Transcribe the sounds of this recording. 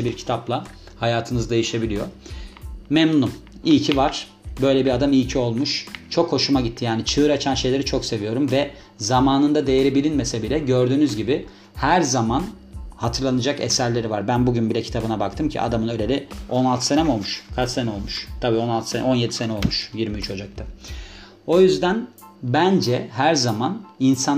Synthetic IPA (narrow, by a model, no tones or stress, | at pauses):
ɛbiɾcʰi̥t̪ʰaplˠa | hajaːt̪ʰɯnɯzd̪e̞jiʃe̞bilʲijo̞ | mɛmnunum | ijcʰivaɾ̥ | bø̞jlʲɛbiɾad̪amijcʰio̞lˠmuʃt͡ʃʰo̞kho̞ʃumaɟit̪ʰːijaːnit͡ʃʰɯɯɾat͡ʃʰanʃe̞jlʲeɾit͡ʃʰo̞kse̞vijo̞ɾumvɛ | zamaːnɯnd̪ad̪e̞jeɾibilʲinmesɛbilʲɛɟø̞ɾd̪yːnyzɟibɪ | hæɾzaman | hat̪ʰɯɾlˠanɯd͡ʒakesæɾlʲe̞ɾivaɾbænbuɟynbilʲɛcʰit̪ʰabɯnabakt̪ʰɯmcʰḭʔa̰d̪amɯnølʲelʲio̞nalˠt̪ʰɯ̥senɛmo̞lˠmuʃkʰat͡ʃsenɛolˠmuʃt̪ʰabiːo̞nalt̪ʰɯsenɛ̰o̞nje̞d̪ise̞nɛo̞lˠmuʃjiɾmiyt͡ʃʰo̞d͡ʒak̚t̪ʰa | o̞jyzd̪æn | bænd͡ʒɛɦæɾzamaninsa